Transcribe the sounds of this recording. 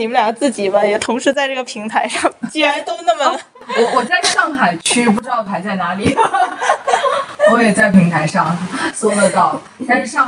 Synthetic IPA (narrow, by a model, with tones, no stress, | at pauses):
ni˨˩mə˦nljɑ˨˩ŋt͡sɹ̩˥˩t͡ɕi˨˩bɐ˦jɛ˨˩t̪ʰʊ˧˥ŋʂɻ̩˧˥t͡sa˥˧ɪʈ͡ʂɤ˥˩ɡə˩pʰi˧˥ŋt̪ʰa˧˥ɪʂɑ˥˩ŋt͡ɕi˥˩˥ɻa˧˥nt̪o˥ʊna˥˩mə˩ | wɔ˧wɔ˨˩t͡sa˥˧ɪʂɑ˥˩ŋxa˨˩ɪt͡ɕʰy˥pu˥˩ʈ͡ʂɻ̩˥t̪ɑ˥˩ʊpʰa˧˥ɪt͡sa˥˩ɪna˧˥li˨˩ | wɔ˧˥jɛ˨˩t͡sa˥˩ɪpʰi˧˥ŋt̪ʰa˧˥ɪʂɑ˥˩ŋswɔ˥ə˧t̪ɑ˥˩ʊ | t̪nʂɻ̩˥˧ʂɑ˥˧ŋ